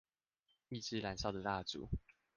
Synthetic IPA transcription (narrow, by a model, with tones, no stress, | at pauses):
i˥˩ʈ͡ʂɻ̩˥la˨˦nɕjɑ˥˩ʊd̪ə˨˩t̪a˥˨t͡sṵ˨˦